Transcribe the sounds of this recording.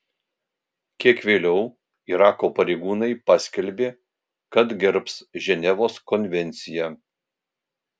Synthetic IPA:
kʲiɛkʋʲeːlʲɛʊ | iɾɑːkoːpɐɾʲɛɪɡuːnɐɪpɑsʲkʲɛlʲbʲeː | kɐt̪ɡʲɪɾpsʒʲɛnʲɛʋoːskɔnʲʋʲɛnʲt̪sʲɪjæ

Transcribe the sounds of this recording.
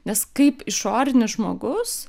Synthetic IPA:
nʲɛskɐɪpɪʃoːɾʲɪnʲɪsʒmoːɡʊs

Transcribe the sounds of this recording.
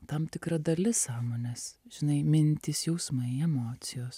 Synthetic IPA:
t̪ɐmt̪ʲɪkɾɐd̪ɐlʲɪsɑːmoːnʲɛsʒ̥ʲɪnɐɪmʲɪnʲt̪ʲiːsjɛʊsmɐɪɛmoːt̪sʲɪjoːs

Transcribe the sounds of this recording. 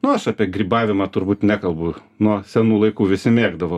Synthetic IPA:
nʊɐʃɑːpʲiɛɡɾʲiːbɑːʋʲɪmɑːt̪ʊrbuːt̪nʲækɐlˠbʊ | nuɔsʲɛnuːlˠɐɪkuːʋʲɪsʲɪmʲeːɡd̪ɐʋo

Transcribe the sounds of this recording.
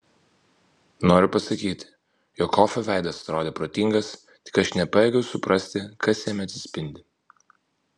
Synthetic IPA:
noːɾʲʊpɐsɐkʲiːt̪ʲ | joːkʰːɔfʲɛʋʲɛˑɪd̪ɐsɐ̥t̪ɾoːd̪ʲeːpɾoːt̪ʲiŋɡɐs | t̪ʲɪ̥kɐʃnʲɛpɑjɛːɡʲɛʊsʊpɾʔɐsʲt̪ʲɪkɐsjɛmʲɐt̪ʲsʲɪ̥sʲpʲɪnʲd̪ʲɪ

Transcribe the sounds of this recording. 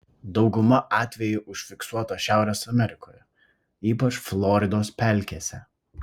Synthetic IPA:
d̪ɒʊɡʊmɐʔɑːt̪ʲʋʲɛjʊʔʊʃʲfʲɪksuɔt̪oːʃʲæˑʊɾʲɛːsɐmʲɛɾʲɪkʰoːjɛ | iːpɐt͡ʃflˠɔːɾʲɪd̪oːspʲæˑlʲkʲeːsʲɛ

